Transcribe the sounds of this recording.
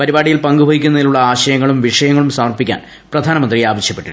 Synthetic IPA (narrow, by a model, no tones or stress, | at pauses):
pɐɾibaːɽijilpɐŋɡubʱɐɣikʲːunːɐðiluɭːɐaːɕɐjɐŋːɐɭumʋiʂɐjɐŋːɐɭumsɐmɐrpikʲːa̰ːn | prɐd̪ʱaːnɐmɐnd̪riaːʋɐɕjɐpːe̞ʈːiɾu